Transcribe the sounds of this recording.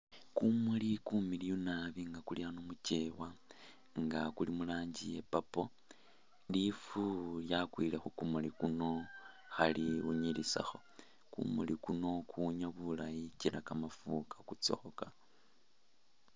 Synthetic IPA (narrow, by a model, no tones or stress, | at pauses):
kumulikumilijunaβiŋɡakulianomuce̞wa | ŋɡakulimulaːɲɟijepapo̞ | lifuljakwilexukumulikuno̞ | xaliuɲilisa̰xo̞̥ | kṵmulikuno̞kʰuɲaβulajicilakamafukʰḁkut͡so̰xoka